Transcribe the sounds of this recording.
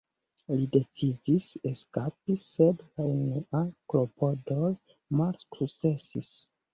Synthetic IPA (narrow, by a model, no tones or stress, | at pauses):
lide̞t͡sidiseskapisedlaeneʔaklo̞po̞doj | malskukt͡se̞sis